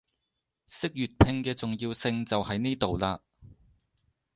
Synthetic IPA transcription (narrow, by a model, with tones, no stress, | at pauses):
sɪ˥k̚jyː˨t̚pʰɪ˧ŋkɛː˧t͡sʊ˨ŋjiː˧wsɪ˧ŋt͡sɐ˨whɐ˨˧jniː˥t̪o˨wlaː˧